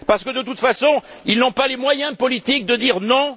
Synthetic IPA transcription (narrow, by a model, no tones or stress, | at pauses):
paʁsə̥kəd̪ət̪ut̪fasɔ̃ilnɔ̃palemwajɛ̃pɔlit̪ik̚d̪əd̪iʁnɔ̃